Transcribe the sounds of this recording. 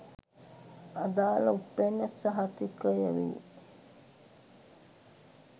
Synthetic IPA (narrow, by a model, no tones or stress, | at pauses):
ad̪aːlɐupːenːesəɦat̪ikəjeʋḭː